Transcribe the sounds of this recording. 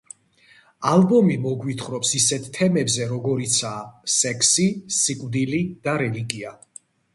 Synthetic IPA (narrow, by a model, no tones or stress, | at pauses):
albɔmimɔɡwit̪ʰχɾɔpsisɛt̪ʰt̪ʰːɛmɛbzɛɾɔɡɔɾit̪sʰaːsɛkʰsisikʼvd̪ilid̪̥aɾɛliɡia